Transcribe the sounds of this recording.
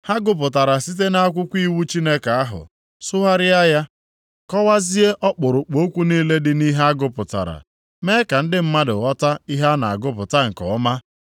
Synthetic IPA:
ha˦ɡʊ˦p̬ʊ˨ta˨ɾa˨si˦t̬e˦na˦a˦kʷʊ˦kʷi˦wu˦t͡ʃi˦ne˦ka˨a˦ɦʊ̰˨ | sʊ˦ɦa˦ɾɪ˦a˦ja˦ | kɔ˦wa˦zi˦e˦ʔɔ˦k͡pʊ˨ɾʊ˨k͡po˨˦o˦kʷu˦niː˦le˦dɪ˦ni˦ɦa˦a˦ɡʊ˦pʊ˨ta̰˨ɾa̰˨ | meː˦ka˨n̩˦dɪ˦m̩˦ma˦dʊ̰˨ɣɔ˦ta˦i˦ɦa˦na˨a̰˨ɡʊ˦pʊ˨ta˦ŋ̩˨kɔ̰˨ʊ˦ma˦

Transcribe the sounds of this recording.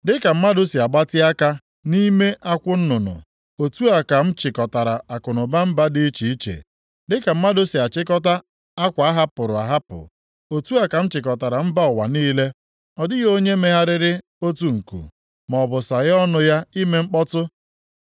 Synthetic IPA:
dɪ˦ka˨m̩˦ma˦dʊ˦si˨a˨ɡ͡ba˦tɪ˦a˦ka˦ | ni˦me˦ʔa˦kʷʊ˦n̩˦nʊ˨nʊ̰˨ | o˨tu˦a˨ka˨m̩˦t͡ʃɪ˨kɔ˨ta˨ɾa˨a˨kʊ˨nʊ˨ba˦m̩˦ba˦di˦i˦t͡ʃi˨i˦t͡ʃḛ˨ | dɪ˦ka˨m̩˦ma˦dʊ˦si˨a˨t͡ʃɪ˦kɔ˦ta˦ | a˦kʷa˨a˦ɦa˦pʊ˨ɾʊ˨a̰˨ɦa˦pʊ̰˨ | o˨tu˦a˨ka˨m̩˦t͡ʃɪ˨k̬ɔ˨ta˨ɾa˨m̩˦ba˦ɔ˨wa̰˨niː˦le˦ | ɔ˨dɪ˦ɣo˦ɲe˦me˦ɦa˦ɾɪ˦ɾɪ˦ | o˦tu˦ŋ̩˨kṵ˨ | mɔ˨bʊ˨sa˨ɣɔ˦nʊ˨ja˦i˦me˦ŋ͡m̩˦k͡pɔ˦tʊ˦

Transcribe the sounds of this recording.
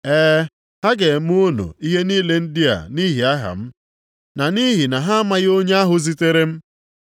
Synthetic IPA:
ɛː˦ | ha˦ɡe˨m˦ʊ˦no̰˨i˦ɦe˦niː˦le˦n̩˦dɪ˦a̰˨ni˦ɦi˨a˦ɦa̰˨m̩˦ | na˨ni˦ɦi˨na˨ɦa˦ma˦ɣo˦ɲe˦a˦ɦʊ˨zi˦te˦ɾe˦m̩˦

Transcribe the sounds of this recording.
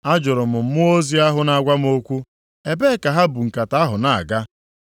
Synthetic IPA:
a˦d͡ʒʊ˨ɾʊ˨mʊ˨m̩˦mʊ˦o˦zi˦a˦ɦʊ˦na˨ɡʷa˦m˦o˦kʷu˦ | e˦be˦ka˨ɦa˦bu˨ŋ̩˨ka˨ta˦ɦʊ˨na˦˨a̰˨ɡa˦

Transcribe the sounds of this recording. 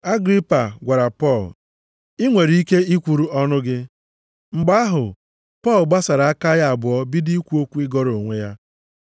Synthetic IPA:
a˦ɡɾi˦pa˨ɡʷa˨ɾa˨pɔ˦˨l | i˦ŋʷe˨ɾi˦i˦ke˦i˦kʷu˨ɾu˦ɔ˦nʊ˦ɡɪ˦ | ŋ͡m̩˨ɡ͡ba˦a˦ɦʊ̰˨ | pɔ˦˨lɡ͡ba˦sa˨ɾa˨a˦ka˦ja˦a˨bʊ˨ɔ˦bi˦di˦i˦kʷu˦o˦kʷu˦ɪ˦ɡɔ˦ɾo˨ŋʷe˦ja˦

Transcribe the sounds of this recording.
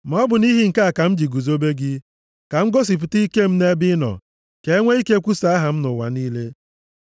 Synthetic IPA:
m˨ɔ˦bʊ˨ni˦ɦi˦ŋ̩˨ka˦a˨ka˨m̩˦d͡ʒi˨ɡu˨zo˦be˦ɡɪ˦ | ka˨ŋ̩˦ɡo˦s̬i˨p̬ʊ˨ti˦ke˦m̩˦ne˦bɪ˦nɔ̰˨ | ke˨e˦ŋʷe˦i˦ke˦kʷu˦sa˨˦a˦ɦa˨m̩˦nʊ˨wa̰˨ni˦le˦

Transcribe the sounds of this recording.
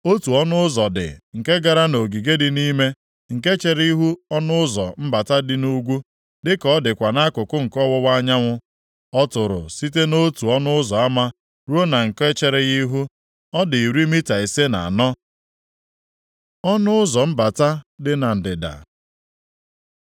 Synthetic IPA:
o˦tu˨ɔ˦nʊ˦ʊ˦zɔ˨dɪ̰˨ŋ̩˨ke˦ɡa˨ɾa˦no˨ɡi˨ɡe˦dɪ˦ni˦me˦ | ŋ̩˨ke˦t͡ʃe˨ɾi˦ɦu˦ɔ˦nʊ˦ʊ˦zɔ˨m̩˦ba˨ta˦dɪ˦nu˦ɡʷu˦ | dɪ˦kɔ˦dɪ˨kʷa˨na˦kʊ˨kʊ˦ŋ̩˨kɔ˦wʊ˦wa˦ɲa˦ŋʷʊ˦ | ɔ˦tʊ˨ɾʊ̰˨si˦te˦no˦tu˨ɔ˦nʊ˦ʊ˦zɔ˨a˦ma˦ | ɾu˦o˦na˨ŋ̩˨ke˦t͡ʃe˦ɾe˨ɣi˦ɦu˦ | ɔ˦dɪ˨i˨ɾi˦mi˦ta˨i˨se˦na̰˨a˨nɔ˦ | ɔ˦nʊ˦ʊ˦zɔ˨m̩˦ba˨ta˦dɪ˦na˨n̩˨dɪ˨da̰˨

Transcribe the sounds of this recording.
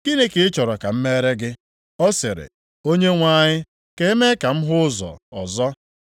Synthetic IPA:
ɡ̥i˦ne˨kɪ˨˦t͡ʃɔ˨ɾɔ˨ka˨m̩˦me˦ɾe˦ɡɪ˦ | ɔ˦sɪ˨ɾɪ̰˨ | o˦ɲe˦ŋʷa˦˨ɲɪ˦ | ke˦e˦me˦ka˨m̩˦ɦʊ˦ʊ˦zɔ̰˨ɔ˨zɔ˦

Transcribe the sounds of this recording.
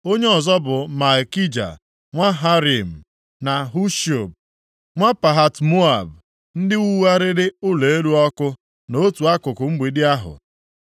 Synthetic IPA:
o˦ɲe˦ɔ˨zɔ˦bʊ˨ma˨ki˦d͡ʒa̰˨ | ŋʷa˦ɦa˦ɾi˨m̩˨ | na˨ɦu˦ʃo˨b̚ | ŋʷa˦pa˨ɦa˨tmo˦a˨b | n̩˦dɪ˦ɣu˦wa˦ɾɪ˦ɾɪ˦ʊ˦le˨e˦ɾu˦ɔ˦kʊ˦ | no˦tu˨a˦kʊ˨kʊ˨ŋ͡m̩˦ɡ͡bi˨dɪ˦a˦ɦʊ̰˨

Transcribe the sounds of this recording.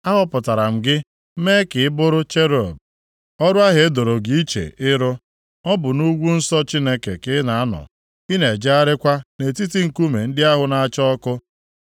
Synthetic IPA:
a˦ɦɔ˦pʊ˨ta˨ɾa˨m̩˨ɡɪ˦ | me˦kɪ˨ɪ˦bʊ˦ɾʊ˦t͡ʃe˦ɾo˨b̚ | ɔ˦ɾʊ˦a˦ɦe˨e˦do˨ɾo˨ɡi˦i˦t͡ʃḛ˨ʔɪ˦ɾʊ˦ | ɔ˦bʊ˨nu˦ɡʷu˦n̩˦sɔ˦t͡ʃi˦ne˦kḛ˨kɪ˦na˨a˦nɔ̰˨ | ɪ˦ne˨d͡ʒa˦a˦ɾɪ˦kʷa˦ne˨ti˦ti˦ŋ̩˨ku˦me˨n̩˦dɪ˦a˦ɦʊ˨na˨a˦˨t͡ʃɔ˦kʊ˦

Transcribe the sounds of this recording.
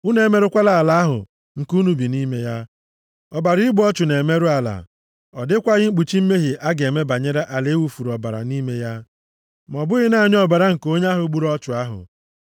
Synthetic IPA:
u˦ne˨me˦ɾʊ˦kʷa˦la˨la˨˦a˦ɦʊ̰˨ | ŋ̩˨ku˦nu˨bi˨ni˦me˦ja˦ | ɔ˨ba˨ɾi˦ɡ͡bɔ˦t͡ʃʊ˨ne˨me˦ɾʊ˦a˨la̰˨ | ɔ˨dɪ˦kʷa˦ɣɪ˦ŋ͡m̩˦k͡pu˨t͡ʃi˦m̩˦me˦ɦɪ˨ʔa˦ɡe˨me˦ba˨ɲe˦ɾe˦ʔa˨le˦wu˨fu˨ɾɔ˨ba̰˨ɾa̰˨ni˦me˦ja˦ | m˨ɔ˨bʊ˦ɣɪ˦na˦˨ɲ˦ɔ˦ba˨ɾa˦ŋ̩˨ko˦ɲ˦a˦ɦʊ˨˦ɡ͡bu˦ɾɔ˦t͡ʃʊ˨a˦ɦʊ̰˨

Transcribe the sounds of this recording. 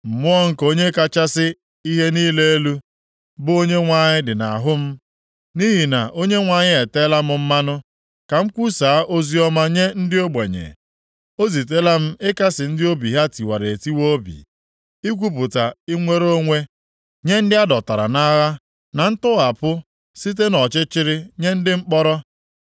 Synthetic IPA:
m̩˨mʊ˦ɔ˦ŋ̩˦ko˦ɲe˦ka˦t͡ʃa˦sɪ˦ | i˦ɦe˦niː˦le˦e˦lu˦ | bʊ˦o˦ɲe˦ŋʷa˨ɲɪ˦dɪ˨na˨a˨ɦʊ˦m̩˦ | ni˦ɦi˨na˨ʔo˦ɲe˦ŋʷa˨ɲɪ˦e˨te˦la˦mʊ˨m̩˦ma˦nʊ˦ | ka˨m̩˦kʷu˦saː˨˦ʔo˦zi˦ɔ˦ma˦ɲe˦n̩˦dɪ˦o˦ɡ͡be˨ɲḛ˨ | o˦zi˨t̬e˦la˦m̩˦ɪ˦ka˦sɪ˨n̩˦dɪ˦o˦bi˨ɦa˦ti˨wa˨ɾe˨ti˦wo˦bḭ˨ | i˦kʷu˦p̬ʊ˨ta˨i˦ŋʷe˦ɾo˦ŋʷe˦ | ɲe˦n̩˦dɪ˦a˦dɔ˨ta˨ɾa̰˨na˦ɣa˦ | na˨n̩˦tʊ˦a˨pʊ˦ | si˦t̬e˦nɔ˨t͡ʃɪ˦t͡ʃɪ˦ɾɪ˦ɲe˦n̩˦dɪ˦ŋ͡m̩˦k͡pɔ˦ɾɔ˦

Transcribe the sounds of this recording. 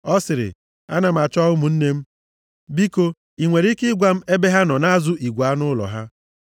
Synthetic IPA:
ɔ˦sɪ˨ɾɪ̰˨ | a̰˦na˨m̩˨a˨t͡ʃɔ˦ʊ˦mu˨n̩˦ne˦m̩˦ | bi˦ko˦ | i˨ŋʷe˨ɾi˦kɪ˦ɡʷa˦m̩˦e˦be˦ɦa˦nɔ˨na˦a˦zʊ˦ʔi˨ɡʷa˦nʊ˦lɔ̰˨ɦa˦

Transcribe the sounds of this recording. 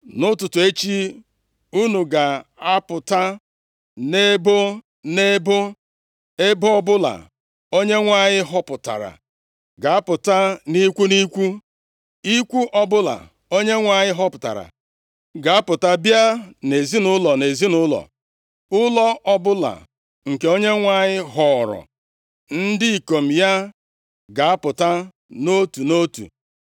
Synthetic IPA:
nʊ˦tʊ˨tʊ˨e˦t͡ʃi˦ | u˦nu˨ɡa˨a˦pʊ˨ta˦ | ne˦bo˦ | ne˦bo˦ | e˦bʊ˦ɔ˦bʊ˦la̰˨ | o˦ɲe˦ŋʷa˨ɲɪ˦ɦɔ˦pʊ˨ta̰˨ɾa̰˨ | ɡa˨a˦pʊ˨ta˦ni˦kʷu˦ni˦kʷu˦ | i˦kʷu˦ʔɔ˦bʊ˦la̰˨ | o˦ɲe˦ŋʷa˦˨ɲɪ˦ɦɔ˦pʊ˨ta̰˨ɾa̰˨ | ɡa˨a˦pʊ˨ta˦bja˦ne˨zi˦nʊ˦lɔ˨ne˨zi˦nʊ˦lɔ̰˨ | ʊ˦lɔ˦ʔɔ˦bʊ˦la̰˨ | ŋ̩˨ke˨o˦ɲe˦ŋʷa˦˨ɲɪ˦ɦɔ˦˨ɾɔ̰˨ | n̩˦dɪ˦i˨ko˨m̩˨ja˦ | ɡa˨a˦pʊ˨ta˦ | no˦tu˨no˦tṵ˨

